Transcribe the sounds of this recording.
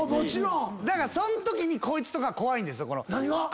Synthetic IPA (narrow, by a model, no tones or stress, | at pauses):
mot͡ɕiɾõd̪akaɾasõ̞nt̪o̞kʲiɲ̟iko̞ːit͡sɨ̥t̪o̞kaβako̞βaĩnd̪e̞sɨjoko̞no̞̰naɲiɡa